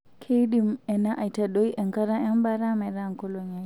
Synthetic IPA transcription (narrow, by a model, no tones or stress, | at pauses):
kʰejɗimɛnaʔajtaɗɔjɛŋkaɾaʔɛmbaɾamɛɾaŋkɔlɔɲaj